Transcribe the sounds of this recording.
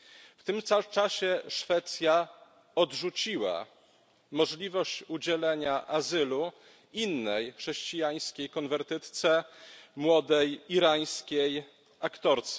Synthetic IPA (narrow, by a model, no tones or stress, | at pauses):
ft̪ɘmt̪sat͡ʂaɕɛʂfɛt̪sʲja | ɔd̪ʐut͡ɕiwa̰ | mɔʐlʲivɔɕt͡ɕud͡ʑɛlɛɲaʔazɘlu | inːɛjxʂɛɕt͡ɕijaj̃skʲejkɔnvɛɾt̪ɘt̪t̪sɛmwɔd̪ɛjiɾaj̃skʲej | akt̪ɔɾt̪sɛ